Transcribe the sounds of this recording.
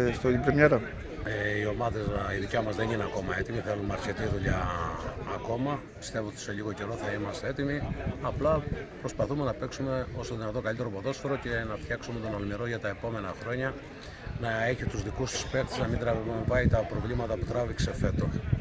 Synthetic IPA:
st̪olipɾemɲeɾɐ | eio̞mɐðe̞ziðicɐmɐzðe̞nineɐko̞mɐe̞t̪imiθelunmɐɾçe̞t̪iðuʎɐː | ko̞mɐ | pi̥st̪e̞voot̪i̥se̞ʎiɣo̞ce̞ɾo̞θɐimɐst̪ee̞t̪imiɐplɐpɾo̞spɐθume̞nɐpe̞ksume̞o̞st̪oðinɐt̪o̞kɐlit̪e̞ɾopoðo̞sfoɾo̞ce̞nɐft̪çɐksume̞t̪o̞nolmiɾo̞ʝɐt̪ɐe̞po̞me̞nɐxɾo̞ɲɐ | nɐe̞çit̪uzðikust̪u̥spe̞kt̪iznɐmind̪ɾɐvivɐit̪ɐpɾo̞vlimɐt̪ɐput̪ɾɐvikse̞fe̞t̪o̞

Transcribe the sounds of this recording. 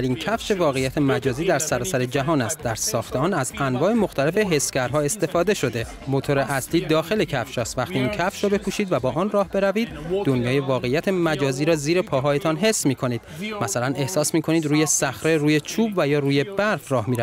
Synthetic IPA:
liːncʰæfʃe̞vɒːɣe̞jːæt̪ʰe̞mæd͡ʒɒːziːd̪æɾsæɾɒːsæɾe̞d͡ʒæɦɒːnæst̪̚d̪æɾsɒːxt̪ʰeɒːnæzænvɒːe̞mo̞xt̪ʰæle̞fe̞ɦe̞scæɾɦɒːe̞st̪e̞fɒːd̪e̞ʃo̞d̪e̞ | mot̪ʰo̞ɾe̞ʔæsliːd̪ɒːxe̞le̞cʰæfʃɒːst̪væxt̪iːiːncʰæfʃɾɒːbe̞kʰuːʃiːd̪væbɒːʔɒːnrɒːhbe̞ɾæviːd̪̚d̪o̞njɒːje̞vɒːɣe̞jːæt̪ʰe̞mæd͡ʒɒːziːɾɒːziːɾe̞pʰɒːɦɒːje̞t̪ʰɒnɦe̞sːmiːkʰo̞niːd̪̥mæsælæne̞hsɒːsmiːkʰo̞niːd̪ɾuːje̞sæxɾeɾuːje̞t͡ʃʰuːbvæjɒːruːje̞bæɾfrɒːhmiːɾæ

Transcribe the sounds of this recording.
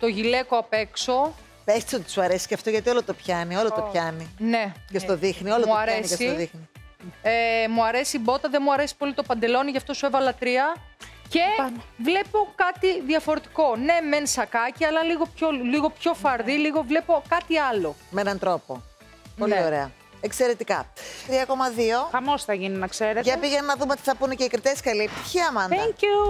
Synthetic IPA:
t̪o̞ʝile̞koɐpe̞kso̞ | pest̪isot̪i̥suɐɾesi̥cɐft̪o̞ʝɐt̪io̞lot̪opçɐnio̞lot̪opçɐnine̞cest̪oðixniolomuɐɾeskesit̪oðixni | emuɐɾe̞sibo̞t̪ɐðenmuɐɾe̞si̥po̞lit̪o̞pɐnd̪e̞lo̞niʝɐft̪o̞suevɐlɐt̪ɾiɐ | ce̞vle̞po̞kɐt̪iðiɐfo̞ɾe̞t̪i̥ko̞ne̞mensɐkɐciɐlɐliɣo̞pçoliɣo̞pço̞fɐɾðiliɣo̞vle̞po̞kɐt̪iɐlo̞meenɐnt̪ɾo̞po̰ | polioɾe̞ɐ | ekse̞ɾe̞t̪ikɐ̰t̪ɾiɐkomɐðio̞xɐmo̞sθɐʝininɐkseɾetʝɐpiʝenɐnɐðumeot̪i̥θɐpuneceikɾit̪eskɐliepit̪i̥çiɐmɐnɐŋku

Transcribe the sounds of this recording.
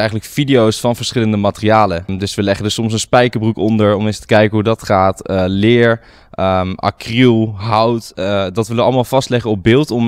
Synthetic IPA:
ɛjχənləkfidijowsfɑnvəɹsχɪləndəmaːtərijaːləndɵsʋəlɛχəndəsɔms̬ənspɛjkəbrukɔndəɹɔmenstə̥kɛjkəɦudɑtχaːtəlɪːɹ | ʔəʔa̰krylˠɦʌwtdɑtʋɪləʋəɑləmaːlˠvɑstlɛχənɔp̚bɪːlˠtɔm

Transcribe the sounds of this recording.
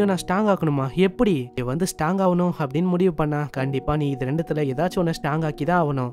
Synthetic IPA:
ɐnãːsʈaːŋɡaːkɐɳɯmːaːɛpːɐɽiniːʋɐnd̪ɯsʈaːŋɡaːʋɐnʊ̃ɐpːɐɽɪnːɯmʊɽɪʋɯpɐɳːãːkɐɳɖɪpːaːnĩːɪðɯɾɛɳɖɯt̪ːɪlɐɛðaːt͡ʃːɯɔnːɐsʈaːŋɡaːkit̪ãːɐːʋɐnʊ̃

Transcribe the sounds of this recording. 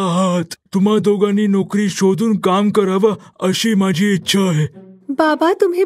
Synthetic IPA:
aɦat̪ːum̤ad̪oɡaniːnɔkɾiːɕod̪ʱuːnkamkəɾaʋaəɕiːmad͡ʑʱiːitːɕʰaɦebabat̪umɦiː

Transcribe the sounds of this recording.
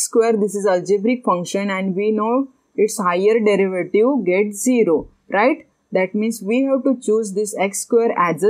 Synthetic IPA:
skweɾd̪isizəld͡ʒebɾikfʌ̃ŋkʃə̃nɛ̃ɳɖʋinoː | ɪʈshaɪəɾɖeɾiʋəʈiʋɡeʈziɾo | ɾaɪʈ | d̪æʈmĩːnsʋiːɦɛʋʈut͡ɕuːzd̪isekskweɾæzə

